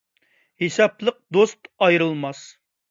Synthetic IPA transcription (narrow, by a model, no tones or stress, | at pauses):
hesɑplˠəq̚d̪ost̪ɑjɾɨlˠmɑs